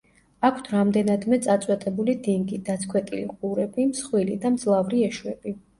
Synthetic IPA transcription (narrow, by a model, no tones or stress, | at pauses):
akʰt̪ʰɾamd̪ɛnad̪mɛt̪sʼat̪sʼwɛt̪ʼɛbulid̪iŋɡid̪at̪sʰkʰwɛt̪ʼilḭqʼuɾɛbimsχwilid̪amd̪zlˠavɾiɛʃwɛbi